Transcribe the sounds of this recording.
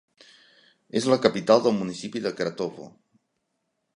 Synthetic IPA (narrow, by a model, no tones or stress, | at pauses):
ezləkəpit̪alˠd̪əlˠmunisipiðəkɾat̪oβo̰